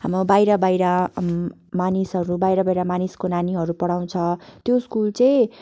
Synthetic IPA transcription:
ɦamɾobajɾʌbajɾʌ | manisɦʌɾubajɾʌbajɾʌmaniskonaniɦʌɾupʌɽaw̃t͡sʰʌt̪joskult͡sʌĩ

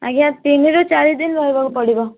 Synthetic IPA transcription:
a̰ɡiãt̪iniɾut͡ʃaɾid̪inbɔɾibɔkpɔɽibɔ

